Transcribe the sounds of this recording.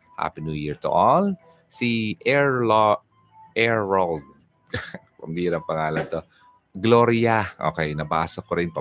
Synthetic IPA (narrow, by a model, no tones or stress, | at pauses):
ha̰pɪnujiɹt̪ʊ̰ʔɔl | siʔɛɹ | ɛɹːolɡ̚ | pɐmd̪iːɾɐŋpɐŋaːlɐnt̪o | ɡloɾɪɐʔo̰ːkɛjnɐba̰ːsɐkoɾɪnpɐ